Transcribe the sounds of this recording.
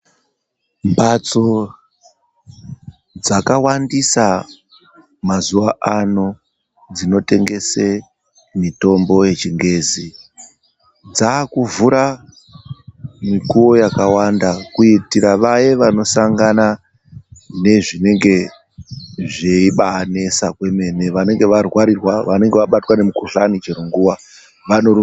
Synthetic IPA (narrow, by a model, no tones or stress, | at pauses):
mbat͡so̞ | d͡zakawandisa | mazuwaʔano̞ | d͡zino̞te̞ŋɡe̞se̞ | mito̞mbo̞je̞t͡ʃiŋɡe̞ːzi | d͡zaːkuvuɾa | mikuwo̞jakawandakuitiɾaʋajeʋano̞saŋɡana | ne̞ʐine̞ŋɡe̞ | ʐe̞iɓaːne̞sakwe̞me̞neʋane̞ŋɡe̞ʋarwaɾirwaʋane̞ŋɡe̞ʋaɓatwane̞mukuɬanid͡ʒeɾoŋɡuwa | ʋano̞